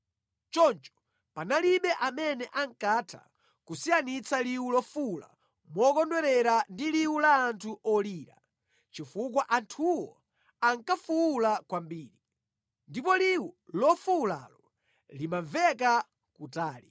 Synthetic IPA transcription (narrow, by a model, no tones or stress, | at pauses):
t͡ʃɔnt͡ʃɔ̥ | panaliɓɛʔamɛnɛʔaŋkatʰa̰ | kusianit͡saliwulɔfula̰ | mwɔkɔndwɛɾɛɾandiliwulaːntʰuʔɔliːɾa̰ | t͡ʃifuk̬waʔantʰuwɔ | aŋkafuulakwambiːɾi | ndipɔliwulɔfuula̰ːlɔ | limavɛka | kutaːli